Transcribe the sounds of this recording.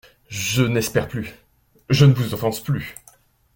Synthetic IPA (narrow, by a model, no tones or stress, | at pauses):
ʒənɛspɛʁply | ʒənəvuzɔ̃fɑ̃sply